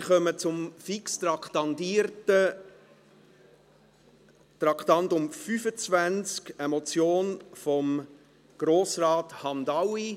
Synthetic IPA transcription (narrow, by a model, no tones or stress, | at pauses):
χœmət͡sʊmfikst̪rɑkt̪ɑntiːɾtə | t̪ɾɑkt̪ɑntʊmfyfət͡svænt͡skəmɔt͡sjoːnfɔm | ɡ̥ɾoːsrɑːthɑndɑwi